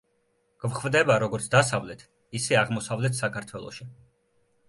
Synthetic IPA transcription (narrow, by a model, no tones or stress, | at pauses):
ɡ̥vχvd̪ɛbaɾɔɡɔɾt̪sʰd̪asavlɛt̪ʰ | isɛaʁmɔsavlɛt̪ʰsakʰaɾt̪ʰwɛlˠɔ̰ʃi